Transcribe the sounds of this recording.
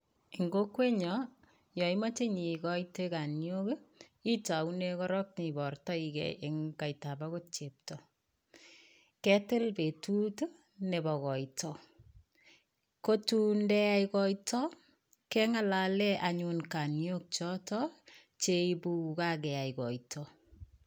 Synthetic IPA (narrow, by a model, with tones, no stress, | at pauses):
iŋɡo˦kwe˦ɲɔ | jɔ˨ima˦t͡ʃe˦ɲi˨kɔiteka˨njo˦ki˦ta˨u˦ne˧kɔ˦ɾɔ˦k̚ni˨bɔ˨rtɔ˦ikɛ̰ʔeŋka˨ita˨bako˦t͡ʃe˨p̚tɔ | kɛ˦tɪ˦lpe˨tu˦t | ne˨bɔ˨ɣɔ˨itʰɔ˨ | ko˦tu˦ndɛ˦a˦ikɔ˦jtʰɔ˦ | kɛ˦ŋa˦la˨lɛ˦ʔaɲunka˨njo˦k̚t͡ʃɔ˦tɔ | t͡ʃe˦ibuuka˦ɡɛ˨a˨ikɔ˨itʰɔ